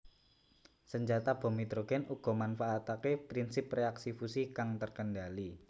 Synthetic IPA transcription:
səɲd͡ʒat̪ab̥o̤mit̪ɾoɡ̥ɛnuɡ̥ɔ̤manfaːt̪akepɾinsɪpreaksifusikaŋt̪ərkəndali

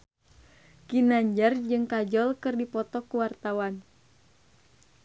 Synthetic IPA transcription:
kinaɲd͡ʒard͡ʒɨŋkad͡ʒɔlkɨrdipɔt̪ɔkuwart̪awan

